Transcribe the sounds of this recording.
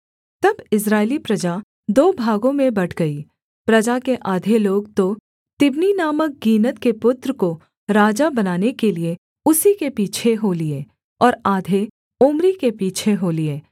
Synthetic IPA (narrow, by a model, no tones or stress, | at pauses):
t̪ɐbɪs̬ɾaːɪlipɾɐd͡ʒa | d̪oːbʱaːɡõmẽbɐʈʰɡɐi | pɾɐd͡ʒakeʔaːd̪ʱeloːɡt̪o | t̪ɪbninaːmək̚ɡiːnət̪kepʊt̪ɾəko | ɾaːd͡ʒabɐnaːnekelie | ʊsikepiːt͡ʃʰeɦoːlie | ɔːɾaːd̪ʱe | ʊmɾikepiːt͡ʃʰeɦoːlieː